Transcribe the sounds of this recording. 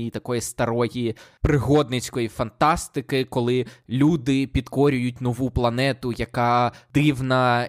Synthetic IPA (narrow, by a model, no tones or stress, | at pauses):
it̪ɐkɔjist̪ɐɾɔjipɾɪɦɔd̪nɪt͡ʃʲkɔjifɐnt̪ɑst̪ɪkɪkɔlˠɪlʲud̪ɪpʲid̪kɔɾʲʊjʊtʲnɔʋuplˠɐnɛt̪ʊjɐkɑd̪ɪwnɐ